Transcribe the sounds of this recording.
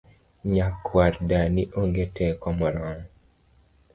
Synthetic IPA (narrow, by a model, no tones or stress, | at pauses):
ɲakʰːwaɾdaniʔoŋɡetʰɛkɔmɔɾɔŋ